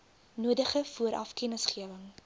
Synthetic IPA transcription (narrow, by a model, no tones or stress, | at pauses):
nuədəχəfuəɾʔɐ̰fkɛnəsχiəvəŋ